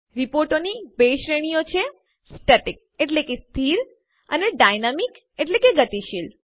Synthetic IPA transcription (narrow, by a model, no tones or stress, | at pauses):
ɾipoɾʈonibeʃɾeɽ̃ijot͡ʃʰe | sʈəʈik̚eʈlekest̪ʰiɾ | ə̰neɖajnamik | eʈ̬lekeɡət̪iʃil